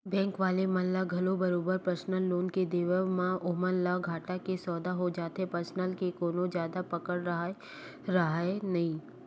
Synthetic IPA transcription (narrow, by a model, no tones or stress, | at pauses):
bɛ̃ːŋkʋaːlemɐlːaɡʱɐlobɐɾoːbəɾpɾəsnəlːoːnked̪eːʋəmãʔʊɦmənːaɡʱaːʈakesɔːd̪aɦod͡ʒaːt̪epəɾsnəlkekoːnõd͡ʒjaːd̪apɐkəɽɾɐɦa | ɾɐɦaenɐɦĩː